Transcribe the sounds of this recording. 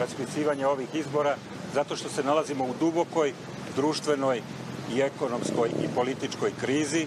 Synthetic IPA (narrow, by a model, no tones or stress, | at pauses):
ɾaspit̪siːʋaɲeo̞ʋixizbo̞ɾa | zat̪o̞ʃt̪o̞se̞nalazimo̞ud̪ubo̞ko̞j | d̪ɾuːʃt̪ʋe̞no̞j | ie̞ko̞no̞msko̞jḭpo̞lit̪it͡ʃko̞jkɾiːzi